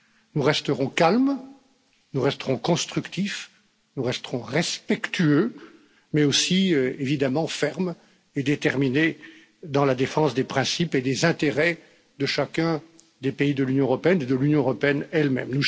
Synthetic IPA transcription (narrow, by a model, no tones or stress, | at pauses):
nuʁɛst̪əʁɔ̃kalm | nuʁɛst̪əʁɔ̃kɔ̃st̪χykt̪if | nuʁɛst̪əʁɔ̃ʁɛspɛkt̪yø | mɛosievid̪amɑ̃fɛʁm | ed̪et̪ɛʁmine | d̪ɑ̃lad̪efɑ̃sd̪epχɛ̃siped̪ezɛ̃t̪eʁɛ | d̪əʃakʲɛ̃ | d̪epeid̪əlynjɔ̃øʁɔpeɛned̪əlynjɔ̃øʁɔpeɛnɛlmɛ̰mnu